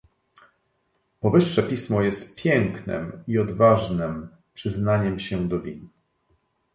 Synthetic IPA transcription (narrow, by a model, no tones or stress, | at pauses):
pɔvɘʂːɛpʲismɔjɛst̪pʲjɛŋknɛ̰miɔd̪vaʐnɘm | pʂɘznaɲɛmɕɛd̪ɔvʲin